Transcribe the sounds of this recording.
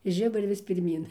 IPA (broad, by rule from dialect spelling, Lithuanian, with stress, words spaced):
ɪ ˈʒʲɪbʊrʲɪ ʋʲɪs pʲɪrʲˈmʲiːn